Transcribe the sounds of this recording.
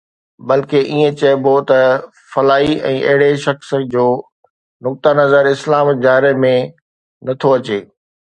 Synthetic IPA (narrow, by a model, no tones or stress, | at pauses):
bɐlkeʔiːẽt͡ɕɐbot̪ɐ | fɐlaːiɛ̰̃ːʔɐ̰ɦɪɽeʃɐksd͡ʑoː | nʊk̚t̪anɐzəɾɪslaːmd͡ʑaːɾemẽ | nɐt̪ʰoɐt͡ɕeː